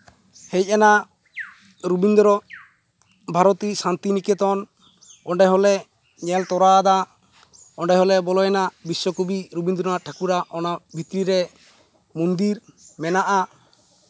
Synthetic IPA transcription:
hɛj̚ana | ɾubind̪ɔɾɔ | bʱaɾɔt̪isant̪inikɛt̪ɔn | ɔɳɖɛɦɔlɛ | ɲɛlt̪ɔɾad̪a | ɔɳɖɛɦɔlɛbɔlɔjɛnabiswɔkubiɾubind̪ɔɾɔnaʈʰakuɾaʔɔnabʱit̪ɾiɾɛ | mund̪iɾmɛnaʔa

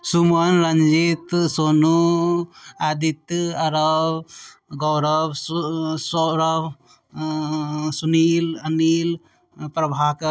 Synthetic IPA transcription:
sumɐnɾɐɲd͡ʒit̪sonu | ad̪it̪ɐɾɔw | ɡɔwɾɐbsɔɾɔb | sunilɐnil | pɾɐbʱak

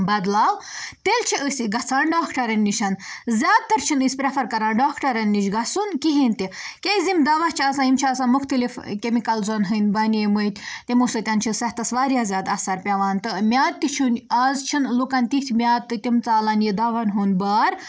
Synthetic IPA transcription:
bɐd̪laːwt̪elt͡ʃʰiʔəsʲiɡɐt͡sʰaːɳɖaːkʰʈɐɾɐnʲːiʃʰɐnzʲjaːd̪̚t̪ɐɾt͡ʃʰinɨsʲpɾʲefʰɐɾkɐɾaːɳɖaːkʰʈɐɾɐnʲːit͡ʃɡɐsunkiɦinʲt̪ikʲezimd̪ɐʋɐht͡ʃʰiɐsãːimt͡ʃʰiaːsanmuxt̪ɐlifkʲemikɐlzonɦɨnʲbɐnʲemət̪ʲt̪imusɐt̪ʲɐnt͡ʃʰisɐht̪ɐsʋaːɾjaːzʲaːd̪ɐsɐɾpʲɐʋaːnt̪ɨmʲjaːt̪̚ːit͡ʃʰunʲaːzt͡ʃʰinlukɐnʲt̪iht̪ʰʲmʲaːt̪̚t̪ːɨt̪imt͡saːlɐnjid̪ɐʋɐnɦuːnbaːɾ

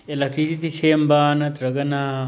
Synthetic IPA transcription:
elakɾit̪it̪iʃeːmbaːnɐt̪ɾɐɡɐnaː

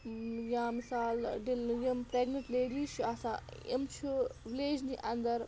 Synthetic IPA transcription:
jãːmisaːlɖiljɐmpɾeːɡnɐ̃ɳʈleːɖiːʃʰuɐsã̰ːḛmt͡ʃʰuʋileːd͡ʒniʔɐnd̪ɐɾ

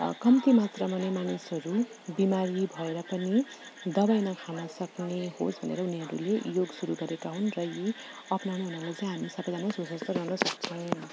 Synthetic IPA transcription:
kʌmt̪imat̪rʌmʌnemanisʌɾu | bimaɾibʱʌeɾʌpʌnid̪ʌbajnakʰanʌsʌkneho̰sbʱʌ̰nḛɾʌuniɦʌɾṵlejoɡsuɾuɡʌɾekaɦunrʌji | ʌpnawnuɦunʌrlajt͡sãĩɦamisʌpʌd̪amasusʌst̪ʌɾʌɦnʌsʌk̚t͡sʰʌw̃

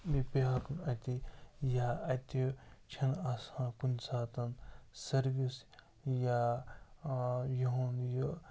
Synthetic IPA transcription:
bipeɦakunɐt̪ijaɐt̪it͡ʃʰɐnasãːkunsaːt̪ɐnsɐɾɡis | ja | juɦonjo

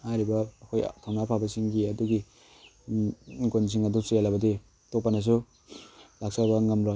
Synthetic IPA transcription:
haɾibɐːkʰojtʰawnapʰabɐsiŋɡiɐduɡi | ɡonz̬iŋadusujalabɐdi | tok̚panas̬u | lak̚sabɐŋɐmɾo

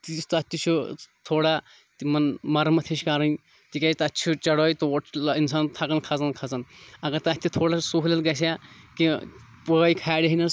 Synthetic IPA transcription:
t̪ist̪ɐt̪ʲːit͡ʃʰut̪ʰoːɽaː | t̪imɐnmɐɾmɐt̪ʰiʃkaɾɐn | t̪ikʲɐːst̪ɐtːt͡ʃʰut͡ʃɐɽoːit̪oʈʰinsaːnt̪ʰɐkɐnkʰɐzɐnkʰɐt͡sɐnɐɡɐɾt̪ɐt̪ʰʲːit̪ʰoːɽasuɦlɐlɡɐs̬ʲaːkipoikʰaːɽɐɦinɐ

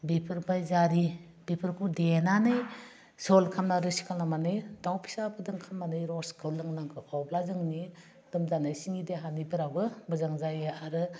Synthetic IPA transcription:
bipʰɯɾbajzaɾi | bipʰɯɾkʰudenanɯj | sɔlkʰamnaɾɯsi̥kʰalnamanɯjdawpʰi̥sabɯdɯŋkʰamanɯjɾɔskʰɯwlɯŋnaŋkʰɯʔɔblazɯŋni | d̥ɯmzanɯjsiŋideɦanibɯɾabɯbɯzaŋzajeaɾɯ

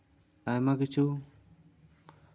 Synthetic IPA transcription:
ajmakit͡ʃʰu

